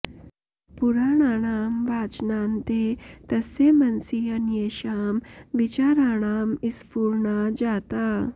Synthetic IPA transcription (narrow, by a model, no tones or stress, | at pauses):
puɾaːɳ̃aːɽ̃aːmʋaːt͡ʃnaːnt̪et̪əsemɐnsiɐnjeʃaːmʋit͡ɕaːɾaːɳ̃aːmispuːɾɳad͡ʑaːt̪a